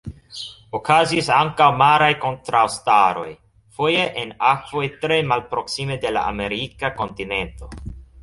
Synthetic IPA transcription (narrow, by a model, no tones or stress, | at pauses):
okazisaŋkawmaɾajko̞ntɾawstaɾo̞̰j | fojeʔenakv̥o̞jtɾe̞malpɾo̞ksimede̞la̰ʔa̰me̞ɾikako̞ntine̞nto̞